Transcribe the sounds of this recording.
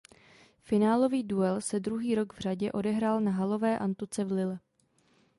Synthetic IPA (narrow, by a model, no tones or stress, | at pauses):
fɪnaːlo̞viːduɛlsɛdɾuɦiːɾo̞ɡvr̝aɟɛʔo̞dɛɦɾaːlnaɦalo̞vɛːʔant̪ut͡sɛvlɪlɛ